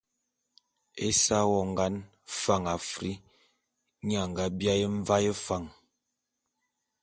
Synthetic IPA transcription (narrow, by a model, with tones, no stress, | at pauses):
e˦sa˦wɔ˦˨ŋɡa˦n | fa˦˨ŋa˨fɾi˦ | ɲ˦a˨ŋ˨ɡa˦bja˦je˦ɱ˦va˦jə˦fa˨ŋ